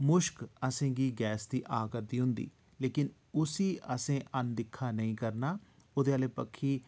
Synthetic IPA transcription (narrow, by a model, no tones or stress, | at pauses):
mʊʃkəsẽːɡiːɡɛːsd̪iːʔaːkəɾd̪iːɦʊnd̪ḭː | leːkɪn | ʊsiːʔəsẽːʔənd̪ɪkʰːaːnəĩːkəɾnaː | oːd̪eːaːleːpəkʰːiː